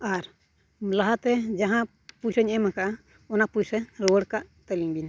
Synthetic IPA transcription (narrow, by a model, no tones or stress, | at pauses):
aɾ | laɦat̪ɛd͡ʒaɦã | pujsəɲɛmaka | ɔnapujsɛɾɔwəɽkaʔt̪əliŋbin